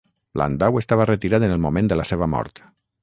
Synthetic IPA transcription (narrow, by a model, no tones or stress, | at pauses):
lʔa̰nd̪awest̪aβərət̪iɾaðənelˠmumẽnd̪əlaseβəmɔ̰ɾt̪